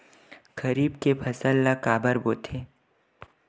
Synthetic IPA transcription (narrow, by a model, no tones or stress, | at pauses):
kɐɾiːbkepʰɐsəlːakaːbəɾboːt̪ʰeː